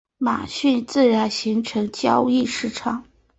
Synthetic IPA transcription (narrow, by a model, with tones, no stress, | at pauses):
ma̰˨˩ɕy˥˧nt͡sɹ̩˥˩ɻa˧˥nɕi˧˥ŋʈ͡ʂʰɤ˧˥ŋt͡ɕjɑ˥ʊi˥˧ʂɻ̩˥˩ʈ͡ʂʰɑ˨˩˦ŋ